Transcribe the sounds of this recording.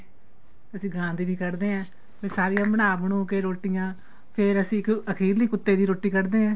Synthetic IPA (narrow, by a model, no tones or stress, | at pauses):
əsĩːɡãːd̪iːbiːkəɾd̪eːɛ̃ː | ʋẽːsaːɾijãːbənaːbəɳũːkeːɾoːʈːijãː | pʰɪɾəsĩːɪkəkʰiːɾliːkʊt̪ːeːd̪iːɾoːʈːiːkəɾd̪eːɛ̃ː